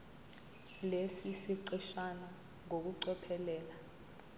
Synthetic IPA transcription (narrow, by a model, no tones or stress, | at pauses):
lesisiǃiʃana | ŋok̬uǀɔpʰɛlɛːla